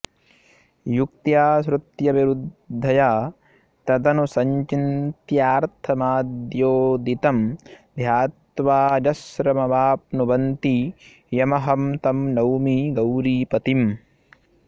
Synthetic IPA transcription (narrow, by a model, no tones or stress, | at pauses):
juk̚t̪jaːsɾut̪jɐʋiɾud̪ʱːɐjaː | t̪ɐd̪ɐnusɐɲt͡ʃint̪jaːɾt̪ʰɐmaːd̪joːd̪it̪ɐmd̪ʱjaːt̪ʋaːd͡ʒɐsɾɐmɐbaːpnubɐnt̪i | jɐmɐɦɐmt̪ɐmnɐwmiɡɐwɾiːpɐt̪im